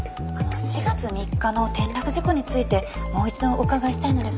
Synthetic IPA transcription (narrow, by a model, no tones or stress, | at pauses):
ano̞ɕiɡat͡sɨmʲikːano̞t̪ẽ̞nɾakɯ̟ʑiko̞ɲ̟it͡sɨit̪e̞mo̞ːit͡ɕid̪õ̞okaɡaiɕi̥t̪aino̞d̪e̞s